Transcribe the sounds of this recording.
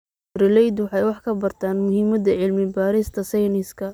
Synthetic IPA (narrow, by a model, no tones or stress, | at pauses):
rɪlɛjd̪wɑħɑjwɑħkʰɐbɐrt̪ʰaːnmʊɦiːmɐd̪ɐʕɪlmɪbaːɾɪst̪ʰɐsɛjnɪskʰɐ